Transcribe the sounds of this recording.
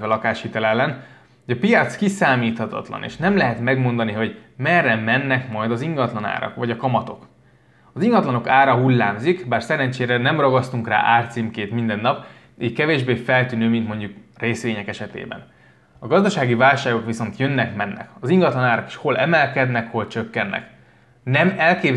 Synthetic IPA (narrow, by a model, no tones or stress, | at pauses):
ɛlɒkaːʃhit̪ɛlɛlːɛn | ɟɒpijɒt̪skisaːmiːt̪hɒt̪ɒ̰t̪lɒ̰nḛːʃnɛmlɛɦɛt̪mɛɡmo̞nd̪ɒniɦo̞ɟmɛrːɛmɛnːɛkmɒjd̪ɒziŋɡɒt̪lɒna̰ːɾɒ̰kʋɒɟɒkɒmɒt̪o̞k | ɒziŋɡɒt̪lɒno̞kaːɾɒɦulːaːmzikbaːrsɛɾɛnt͡ʃeːɾɛnɛmrɒɡɒst̪uŋkra̰ːʔaːrt̪simkeːt̪mind̪ɛnːɒp | iːckɛveːʒbeːfɛlt̪yːnøːmint̪mo̞ɲɟukreːsʋeːɲɛkɛʃɛt̪ḛːbɛ̰n | ɒɡɒzd̪ɒʃaːɡivaːlʃaːɡo̞kʋiso̞nt̪jønːɛkmɛnːɛ̰kɒziŋɡɒt̪lɒnaːɾɒki̥ʃho̞lʔɛmɛlkɛd̪nɛkho̞lt͡ʃø̞kːɛnːɛ̰k | nɛmɛlkeːb